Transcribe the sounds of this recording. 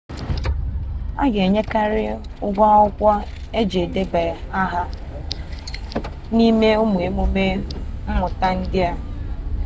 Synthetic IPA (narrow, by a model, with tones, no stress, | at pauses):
a̰˦ɡe˨ɲe˦ka˦ɾɪ˦ʊ˦ɡʷa˦ɔ˦kʷa˦e˦d͡ʒe˨de˦be˨a˦ɦa˦ | ni˦me˦ʊ˦mʊ˨e˦mu˦me˦m̩˦mʊ˨ta˦n̩˦dɪ˦a˦